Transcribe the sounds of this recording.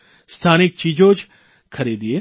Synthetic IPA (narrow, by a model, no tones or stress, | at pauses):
st̪ʰaːnɪk̚t͡ʃiːd͡ʒõd͡ʒ | kʰɐɾiːd̪ieː